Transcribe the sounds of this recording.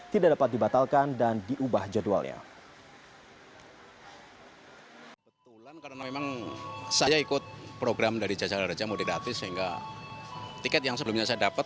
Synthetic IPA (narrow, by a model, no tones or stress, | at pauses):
t̪idaʔdapat̪̚dibat̪alkandandiʔubahd͡ʒadua̰lɲa̰ | bət̪ulankaɾənamemaŋsajaikʊt̪̚pɾoɡɾamdaɾid͡ʒat͡ʃalaɾad͡ʒamudiɾat̪ɪsəɦiŋɡa̰ | t̪ikɛt̪̚jaŋsəbəlʊmɲasajadapət̪